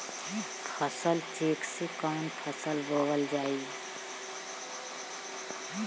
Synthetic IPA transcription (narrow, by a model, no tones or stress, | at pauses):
pʰəsəlt͡ʃeːksekaːnp̪ʰəsəlbʱoːɡəld͡ʒaːi